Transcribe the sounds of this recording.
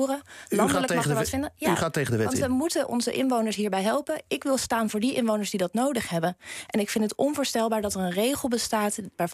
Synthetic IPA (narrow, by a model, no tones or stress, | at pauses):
rəlɑndləkmɑχəɹʋfɪndəjaχaːtːejχədəʋɛʋɑntəmutənʔɔ̰nzə̰ʔɪnʋownəɹsɦiːɹbɛjɦɛlˠpənɪkʋɪlˠstaːnvʊːɹdiʔɪnʋownəɹzdidɑtnowdəχɦɛbənʔɛnɪkfɪntətɔnvʊːɹstɛlˠbaːɹdɑtərənrejχəlˠbəstaːtʋaːɹ